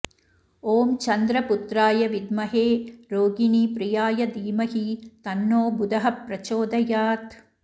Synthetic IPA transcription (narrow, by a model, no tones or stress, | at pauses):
oːmt͡ʃɐnd̪ɾɐpʊt̪ɾaːjɐʋɪd̪mɐɦeːɾoːɡinipɾɪjaːjɐd̪iːmɐhit̪ɐnːoːbʊd̪ɐɦɐpɾɐt͡ʃoːd̪ɐjaːt̪